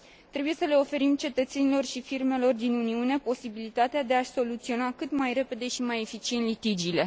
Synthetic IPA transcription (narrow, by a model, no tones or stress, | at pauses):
t̪ɾe̞buje̞səle̞o̞fe̞ɾimt͡ʃe̞t̪ət̪se̞nilo̞rʃifirme̞lo̞rd̪inuniune̞po̞sibilit̪at̪ead̪e̞aʃʲso̞lut̪sio̞nakɨt̪majɾe̞pe̞d̪e̞ʃimaje̞fit͡ʃient̪lit̪id͡ʒile̞